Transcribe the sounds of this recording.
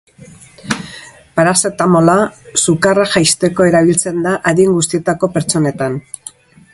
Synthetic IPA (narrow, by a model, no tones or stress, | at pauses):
paɾaset̪amo̞lasukaraʝajst̪e̞ko̞e̞ɾaβ̞ilt͡se̞nd̪aʔaðieŋɡust̪ie̞t̪ako̞pe̞ɾt͡ʃo̞ne̞t̪an